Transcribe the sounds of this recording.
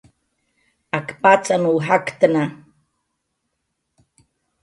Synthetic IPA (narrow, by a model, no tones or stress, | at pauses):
akpat͡sanuːɦakt̪əna